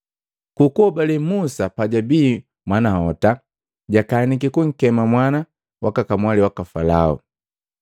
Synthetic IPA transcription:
kukuɔbalɛmusapaɟabiː | mwanahɔta | ɟakaːnik̬ikuŋ̩kɛmamwana | wakakamwaliwakafalaɔ̰

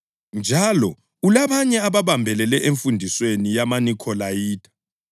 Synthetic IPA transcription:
nd͡ʒʱalɔ | ulaβaɲɛaβaβambʱɛlɛlɛʔeɱfundʱiswenijamanikʰɔlajiːdʰʱʼḁ

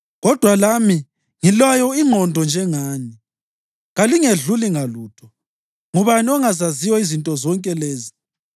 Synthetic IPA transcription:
ɣɔd̥ʱwalami | ŋilwajɔiŋ͡ǃʱɔndʱɔnd͡ʒʱɛŋaːni | ɣaliŋeɮuliŋaluːtʰɔ̥ | ŋuβaniɔŋazazijɔizintʼɔzɔŋkʼɛleːzi

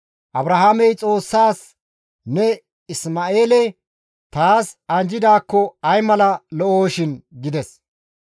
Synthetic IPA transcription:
ʔɐbɾɐɦaːmɛjt͡sʼo̞ːsːaːs | nɛ | ɪsmaːe̞ːlɛ | t̪aːsɐnd͡ʒɪd̪aːkːɔɐjmɐlɐlɔʔoːʃɪnɡɪd̪ɛs

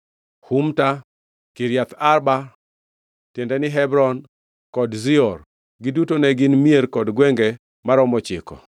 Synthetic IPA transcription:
humta | kiɾjat̪arba | tɪndɛnɪɦɛbɾɔn | kɔdzɪɔr | ɡɪdutonɛɡɪnmieɾkɔdɡwɛŋɡɛ | maɾɔmɔt͡ʃɪkɔ̰

